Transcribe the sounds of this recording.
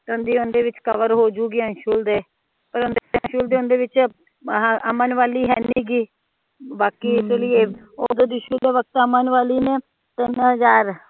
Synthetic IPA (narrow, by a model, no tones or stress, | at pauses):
t̪ːʊnd̪iːʊnd̪eːʋɪt͡ʃkəʋəɾɦoːd͡ʒuːɡiːə̃nʃuːld̪eː | pəɾʊnd̪eə̃ʃuːld̪eːʊnd̪eːʋɪt͡ʃ | əmənʋaːliːɦɛ̰ːniːɡiː | baːkiːɪslɪjeː | oːd̪oːd̪iːʃuːleːʋək̚t̪əmənʋaːliːneː | t̪ɪnɦəzaːɾ